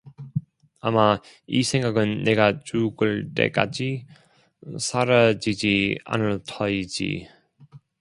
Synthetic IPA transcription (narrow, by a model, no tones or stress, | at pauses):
ama | ḭsʰe̞ŋɡaɡɯnːeɡat͡ɕuɡɯɭt͈e̞̰k͈ad͡ʑi | sʰaɾad͡ʑid͡ʑia̰nɯɭtʰʌid͡ʑḭ